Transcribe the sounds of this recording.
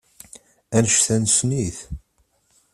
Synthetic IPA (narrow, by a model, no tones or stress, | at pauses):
ænəʃθænsniθ